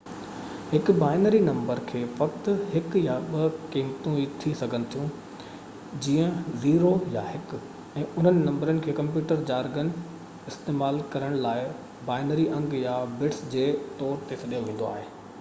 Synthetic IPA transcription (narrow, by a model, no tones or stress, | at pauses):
hɪkbaːɪnəɾinɐ̃mbəɾkʰeːʋɐkt̪hɪkjaɓɐkiːmt̪ũit̪ʰisɐɡʱənɪ̆t̪ʰijũ | d͡ʑiːə̃ziːɾojaɦɪk | ɛ̃ːʊn̤ənɪ̆nɐ̃mbəɾənɪ̆kʰeːkɐ̃mp̬juːʈəɾd͡ʑaːɾɡənɪ̆ | ɪst̪eːmaːlkɐɾəɽ̃laːɪ | baːɪnəɾiʔɐ̃ŋɡjabɪʈsd͡ʑeːt̪ɔːɾt̪esɐɗijoʋẽːn̆d̪o̰a̰ːɦeː